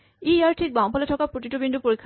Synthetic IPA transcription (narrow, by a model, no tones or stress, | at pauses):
iaɹʈʰik̚baw̃ŋpɔleʈʰɔkapɾot̪iʈobinɖupoɾikʰː